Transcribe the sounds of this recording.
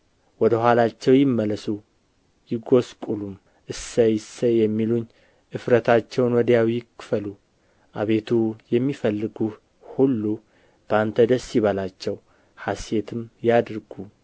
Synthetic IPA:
wɔd̪əhʷalat͡ʃːɛwjɪmːələsu | jɪɡo̞skʼulum | ʔɨsːəjɪsəjɛmːiluɲː | ʔɨfɾət̪ʰat͡ʃːɛwnwɔd̪jawikːɨfəlu | ʔa̰βe̞t̪ʰujɛmːifəlːɨɡu | hulːu | b̥əant̪ʰəd̪əsiβalat͡ʃːɛw | hase̞t̪ʰɨmjad̪ɾɡu

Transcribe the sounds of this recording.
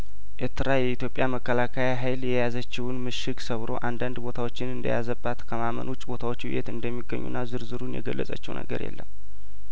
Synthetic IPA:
ʔeɾt̪ʰɨɾajɛit̪jo̞pʼjaməkːəlakʰajaɦajljɛjazət͡ʃːɪwʊnmɨʃɪksəβɾo̞̰ʔand̪and̪bo̞t̪ʰawo̞t͡ʃːɪnɨnd̪ə̰jazəbːat̪kʰəmamə̰nut͡ʃʼbo̞t̪ʰawot͡ʃːwḭjḛt̪ɨnd̪əmːiɡːə̰ɲːṵnːazɨɾzɨɾunjɛ̰ɡəlːə̰sʼə̰t͡ʃːɛwnʔə̰ɡə̰ɾjɛ̰lːə̰m

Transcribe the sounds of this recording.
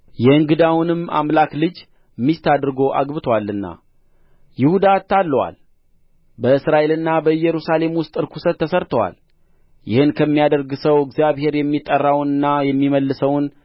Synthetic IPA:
jɛɨŋɡɨd̪awnɨma̰mlaklɨd͡ʒ | mːist̪ʰad̪ɾɨɡo̞ʔa̰ɡbɨt̪ʰwalːɨnːa̰ | jɪhud̪at̪ʰːalːəwa̰l | bəɨsɾaʔe̞lɨnːabəɨjɛɾusale̞mwʊst̪ʼɨɾkʰusət̪ʰːəsəɾt̪ʰəwa̰l | jɪ̰hɨnkʰəmːijad̪əɾɡɨsəwɪɡzijaβhe̞ɾjɛmːit̪ʼːərːawnɨnːajɛmːiməlːɨsəwn

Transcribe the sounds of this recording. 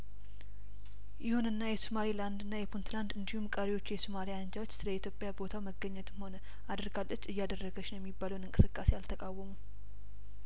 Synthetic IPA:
jɪhunɨnːajɛsumaɾiland̪ɨnːajɛpʰunt̪land̪ɨnd̪ihumkʼəɾiwo̞t͡ʃːujɛsumaliand͡ʒawo̞t͡ʃːsɨləit̪ʰjo̞pʼjabo̞t̪ʰawməɡːəɲːɛt̪mho̞nə | ad̪ɨɾɡalːət͡ʃːɨjːad̪ərːəɡəʃnəjɛmːibːaləwnɨŋkʼɨ̥sɨkʼːase̞jalt̪ʰəkʼawːəmu

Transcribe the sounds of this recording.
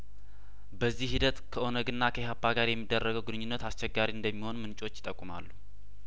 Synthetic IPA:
bəzːihid̪ət̪kʰəʔo̞nəɡɨnːakʰəhabːaɡaɾjɛmːid̪ːərːəɡəwɡɨnɨɲːunːət̪ast͡ʃɛɡːaɾiɨnd̪əmːiho̞nmɨnt͡ʃʼo̞t͡ʃːjɪt̪ʼəkʼːuma̰lːu

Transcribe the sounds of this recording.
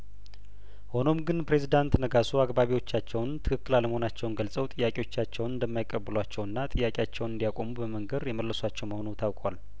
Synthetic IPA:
ho̞no̞mɡɨnpɾe̞zid̪ant̪nəɡasuakbaβiwo̞t͡ʃːat͡ʃːɛwnt̪ʰɨkʰɨkːɨlaləməho̞nat͡ʃːɛwnɡəlsʼəwt̪ʼɨjːakʼewo̞t͡ʃːat͡ʃːɛwnɨnd̪əmːajkʼːəbːɨlwat͡ʃːɛwɨnːat̪ʼɨjːakʼeat͡ʃːɛwnɨnd̪ijakʷʼo̞mubəməŋɡəd̪jɛməlːəswat͡ʃːɛwməho̞nut̪ʰawkʼwal

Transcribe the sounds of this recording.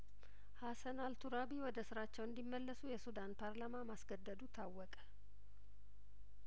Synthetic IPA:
hasənalt̪ʰuɾabiwɔd̪əsɨɾat͡ʃːɛwɨnd̪imːəlːəsujɛsud̪anpʰaɾlamamasɡəd̪ːəd̪ut̪ʰawːɔkʼə̥

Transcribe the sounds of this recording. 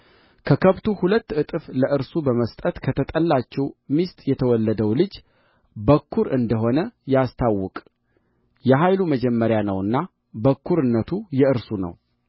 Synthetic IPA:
kʰəkʰəβt̪ʰuhulət̪ːɨt̪ʼɨfləʔɨɾsubəməst̪ʼət̪kʰət̪ʰət̪ʼəlːat͡ʃːɛwmist̪ʼjɛt̪ʰəwɔlːəd̪əwlɨd͡ʒ | bəkːuɾɨnd̪əɦo̞nəjast̪ʰawːʊkʼ | jɛɦajluməd͡ʒɛmːəɾjanəwɨnːa | bəkʰːuɾɨnːət̪ʰujɛɨɾsunə̰w

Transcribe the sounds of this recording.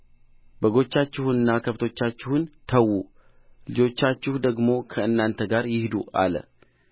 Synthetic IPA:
bəɡo̞t͡ʃːat͡ʃːɪhunːakʰəβt̪ʰo̞t͡ʃːat͡ʃːɪhʊnt̪ʰəwːu | lɨd͡ʒo̞t͡ʃːat͡ʃːɪhud̪əɡmo̞kʰəɨnːant̪ʰəɡaɾjɪhd̪uʔa̰lə̰

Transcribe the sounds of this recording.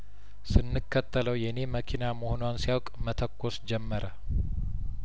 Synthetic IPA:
sɨnːɨkːət̪ːələwjɛne̞məkʰinamohonoansijawkʼmət̪ʰəkʰːosd͡ʒɛmːəɾʔə

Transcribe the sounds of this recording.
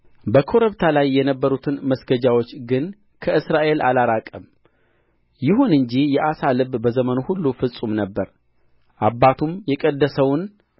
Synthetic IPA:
bəkʰo̞ɾəβt̪ʰalajːɛnəbːəɾut̪ʰɨnməsɡəd͡ʒawo̞t͡ʃːɡɨn | kʰəɨsɾaʔe̞lʔalaɾakʼəm | jɪɦunɨɲd͡ʒijɛʔasalɨbbəzəmənohulːufɨsʼumnəbːəɾ | ʔabːat̪ʰumjɛkʼəd̪ːəsəwn

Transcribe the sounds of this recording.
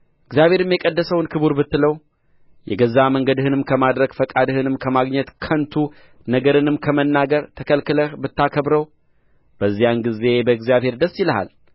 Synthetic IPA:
ʔɨɡzijaβhe̞ɾɨmjɛkʼəd̪ːəsəwnkʰɨβuɾbɨt̪ːɨləw | jɛ̰ɡəzaməŋɡəd̪ɨhɨnɨmkʰəmad̪ɾəɡfəkʼad̪ɨhɨnɨmkʰəmaɡɲɛt̪kʰənt̪ʰu | nəɡəɾɨnɨmkʰəmənːaɡəɾt̪ʰəkʰəlkɨləhbɨt̪ːakʰəbɾəw | b̥əzːijanɡize̞bəɨɡzjaβhe̞ɾd̪əsːɪləha̰l

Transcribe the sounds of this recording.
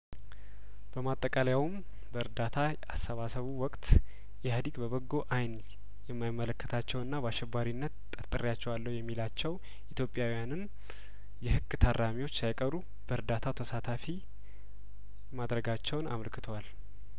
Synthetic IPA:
b̥əmat̪ʼːəkʼaljawm | bəɨɾd̪at̪ʰaʔasːəβasəβuwɔkʼt̪ | jɛhad̪iɡbəβəɡːo̞ʔajn | jɛmːajɪmːələkːə̥t̪ʰat͡ʃːɛwɨnːabəaʃːɛbːaɾinːət̪t̪ʼəɾt̪ʼɨɾjat͡ʃːɛwalːəwjɛmːilat͡ʃːɛw | ʔit̪ʰjo̞pʼjawijanɨn | jɛhɨkːɨt̪ʰarːamiwo̞t͡ʃːsajkʼəɾu | b̥əɾd̪at̪ʰat̪ʰəsat̪ʰafi | mad̪ɾəɡat͡ʃːɛwna̰məlkʰɨt̪ʰəwal

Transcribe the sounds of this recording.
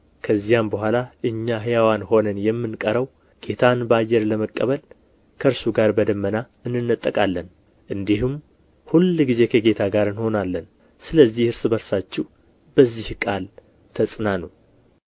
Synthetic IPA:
kʰəzːijambəhʷalaʔɨɲːaɦɨjawanho̞nənjɛmːɨnkʼəɾəw | ɡ̥e̞t̪ʰanbəajːɛɾləməkʼːəβəl | kʰəɨɾsuɡaɾbəd̪əmːəna | ɨnːɨnːət̪ʼːəkʼalːən | ʔɨnd̪ihum | hulɡize̞kʰəɡe̞t̪ʰaɡaɾɨnho̞nalːən | sɨləzːihɨɾsɨbəɾsat͡ʃːɛw | b̥əzːihkʼal | t̪ʰəsʼnanəw

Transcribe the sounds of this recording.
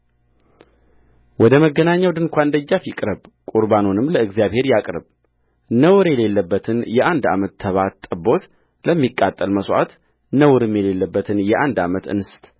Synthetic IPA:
wɔd̪əməɡːənaɲːawd̪ɨŋkʷʰand̪əd͡ʒːafikʼɾəβkʼuɾbanunɨmləɨɡzijaβhe̞ɾjakʼɾɨb | nəwɾjɛle̞lːəbːət̪ʰɨnjɛʔand̪a̰mət̪ʰːəβat̪ʼːəbo̞t̪ | ləmːikʼːat̪ʼːəlməsʼʔa̰t̪ | nəwɾɨmjɛle̞lːəbːət̪ʰɨnjɛʔand̪amət̪ɨ̰nɨst̪

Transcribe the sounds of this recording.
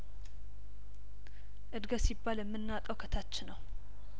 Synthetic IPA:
ʔɨd̪ɡəsibːaljɛmːɨnːat̪ʼəwkʰət̪ʰat͡ʃːɪnəw

